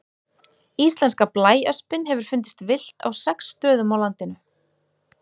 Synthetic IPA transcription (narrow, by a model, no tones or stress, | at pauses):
ist̪lɛnskaplaːjœspɪnɦɛvʏɾ̥fʏnt̪̬ɪst̪vɪl̥t̪ʰa̰wsɛksːt̪œːðʏmawlant̪ɪnʏ